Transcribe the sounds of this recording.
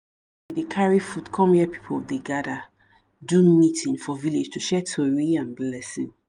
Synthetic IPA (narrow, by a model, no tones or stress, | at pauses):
widekʰaɹifutkʰɔ̃mjɛpi̥pʰoldeɡada | dũnmitĩnfɔviled͡ʒtuʃɛtʰoɹiãnblɛsĩŋ